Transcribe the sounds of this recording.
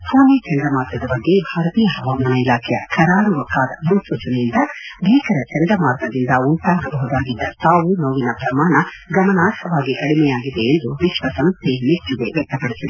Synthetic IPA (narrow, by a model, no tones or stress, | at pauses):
pʰoːnit͡ʃɛɳd̪ɐmaːɾɡɐd̪ɐbɐɡːe̞bʱaːɾɐt̪iːjɐɦɐʋaːmɐnɐilaːkʰɛjɐ̰kʰɐɾaːɾuʋɐkːaːd̪ɐbɾusuːt͡ʃɐnejind̪ɐb̪ʱiːkɐɾɐt͡ʃɐnd̪ɐmaːɾɡɐd̪ind̪ɐuɳʈaːɡɐbɐɦud̪aːɡid̪ːɐt̪aːʋunoːʋinɐpɾɐmaːɳɐɡɐmɐnaːt̪kʰɐʋaːɡiʔɐɽimɛjaːɡid̪eːnd̪uʋiʃʋɐsɐmst̪ʰemit͡ʃːuɡeʋɛk̚t̪ːɐpɐɽisid̪e